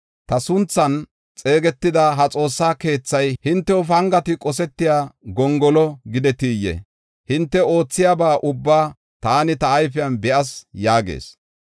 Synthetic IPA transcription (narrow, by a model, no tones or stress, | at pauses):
t̪ɐsʊnt͡sːɐn | t͡sʼe̞ːɡɛt̪ːɪd̪ɐɦɐt͡sʼo̞ːsːaːke̞ːt͡sːɐjhɪnt̪ːɛʊfɐŋɡɐt̪ɪkʼɔsɛt̪ːɪjaːɡɔŋɡɔlɔɡɪd̪ɛt̪iːjːɛ̰ | hɪnt̪ːɛo̞ːt͡sːɪjaːbaːʔʊbːaː | t̪aːnɪt̪ɐːjfɪjɐnbɛʔɐsjaːɡḛːs